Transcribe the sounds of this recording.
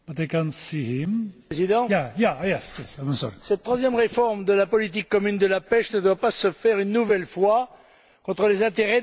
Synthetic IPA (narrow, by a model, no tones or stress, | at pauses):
b̥at̪ekansihimezid̪ɑ̃jajajɛsjɛsamə̃sɔ̰lsɛt̪t̪ːχwazjɛmʁefɔʁmd̪əlapɔlit̪̬ikːɔmynd̪əlapɛʃnəd̪wapasəfɛʁynːuvɛlfwa | kɔ̃t̪χəlezɛ̃t̪eʁɛ